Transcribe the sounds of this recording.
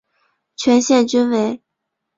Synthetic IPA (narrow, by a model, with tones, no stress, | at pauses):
t͡ɕʰɥɛ˧˥nɕjɛ˥˩nt͡ɕy˥nwe˧˥ɪ